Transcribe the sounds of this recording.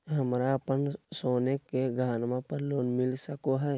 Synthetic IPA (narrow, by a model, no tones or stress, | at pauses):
ɦɐmɾaəpənsoːnekeɡʱaːnmãpəɾloːnmɪlsəkoɦɛː